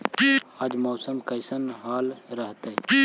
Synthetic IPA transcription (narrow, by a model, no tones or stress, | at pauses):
piad͡ʒmɔːsəmkɐɪsənɦaːlɾɐɦt̪eɛpiː